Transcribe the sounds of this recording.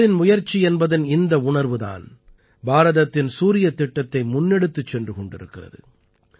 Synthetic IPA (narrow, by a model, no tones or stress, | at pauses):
ɾɪnmʊjɐɾt͡ʃːiɛnbɐðɐnɪnd̪ɐʊɳɐɾʋɯða̰ːn | bʱaːɾɐðɐt̪ːɪnsuːɾɪjɐt̪ːɪʈːɐt̪ːɐɪmʊnːɛɽɯt̪ːɯt͡ʃːɛndrɯkɔɳɖɪɾɯkːɪrɐ̰ðɯ̰